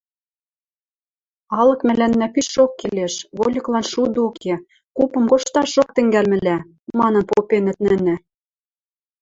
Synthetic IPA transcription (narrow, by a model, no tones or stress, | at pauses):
ɑlɤ̆kmælænːæpiʃokːeleʃβolʲɤklɑnʃud̪okʰe | kupɤ̆mkoʃt̪ɑʃok̚t̪ɘ̆ŋɡælmɘ̆læ | mɑnɤ̆npopenɘ̆t̪̚nɘ̆nɘ̆